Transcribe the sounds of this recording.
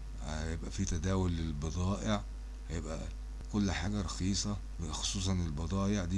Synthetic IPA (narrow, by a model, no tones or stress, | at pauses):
hjebʔæfit̪æd̪æːwolːelbɑd̪ˤɑːʔeʕ | hæjebʔæ̰ | kolːħaːɡæɾˤɑxiːsˤɑ | wxo̥sˤuːs̬ˤɑnelbɑd̪ˤɑːjeʕd̪iː